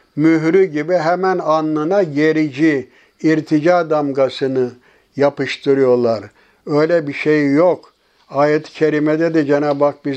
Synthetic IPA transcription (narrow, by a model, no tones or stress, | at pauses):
myɦɾyɟibiɦɛmænanːɯnaɟeɾid͡ʒiː | ɾt̪ʰid͡ʒad̪amɡasɯnɯ | japɯʃt̪ʰɯɾɯjo̞lˠaɾ | øjlʲɛbiʃejjok | aːjɛt̪ʰi̥cʰeɾimɛd̪ɛd̪ɛd͡ʒenaːbak̚bi